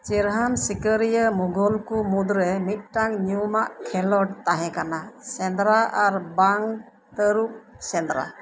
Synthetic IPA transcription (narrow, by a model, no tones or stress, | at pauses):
t͡ʃiɾɦamsikəɾijəmuɡɔlkumud̪ɾɛmit̪̚ʈaŋɲumaʔkʰɛlɔʈ̚t̪aɦɛ̃kanasɛnd̪ɾaʔaɾbaŋ | t̪əɾuk̚sɛnd̪ɾa̰